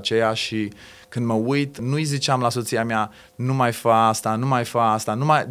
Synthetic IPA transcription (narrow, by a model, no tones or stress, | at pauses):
t͡ʃejaʃi | kɨnd̪məujt̪nujzit͡ʃeamlaso̞t̪siamea | numajfaast̪anumajfaast̪anumaj